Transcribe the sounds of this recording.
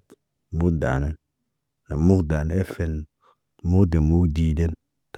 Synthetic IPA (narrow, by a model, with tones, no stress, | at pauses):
mu˦kda̰˨ne˦ | ne˨mu˦kda˨ne˦e˦fe˨n | mu˦kde˨mu˦kdi˨de˦n | t